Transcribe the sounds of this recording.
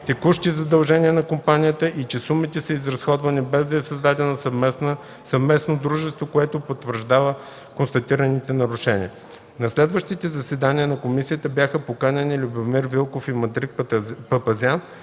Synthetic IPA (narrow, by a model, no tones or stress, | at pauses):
t̪ɛkuʃt̪izɐd̪ɐlˠʒɛnʲiənɐkompanʲijət̪əʔit͡ʃɛsumit̪ɛsəizɾɐsxɔd̪vɐnibɛzd̪ɐɛsɐzd̪ad̪ɛnɐsn | sɐvmɛsnod̪ɾuʒɛst̪vokoɛt̪opot̪vəɾʒd̪avə | konst̪ɐt̪iɾɐnit̪ɛnɐɾʊʃɛnḭə | nɐslɛd̪vəʃt̪it̪ɛzɐsɛd̪aniənɐkomisiət̪əbjaxəpokanʲɐnilʲubomiɾvilˠkofimɐd̪ɾik̚pɐpɐzʲan